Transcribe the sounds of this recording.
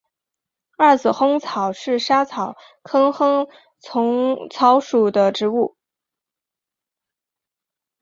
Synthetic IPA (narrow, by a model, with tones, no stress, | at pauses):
ɐ˥˩t͡sɹ̩˨˩xɤ˥ŋt͡sʰɑ˨˩ʊʂɻ̩˥˩ʂa˥t͡sʰɑ˨˩˦ʊ | kʰɤ˥ŋxɤ˥ŋ | t͡sʰʊ˧˥ŋt͡sʰɑ˧˥ʊʂu˨˩d̪ə˦ʈ͡ʂɻ̩˧˥u˥˩